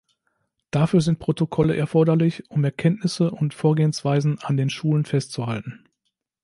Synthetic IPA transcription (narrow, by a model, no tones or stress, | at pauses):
d̥afyːɐzɪnt̚pʁ̥otokʰɔləʔɛɐfɔɐdɐlɪçʔʊmɛɐkʰɛntnɪsəʔʊntfoːɐɡeːənsv̥aɪzn̩andeːnʃuːlənfɛstt͡suhaltn̩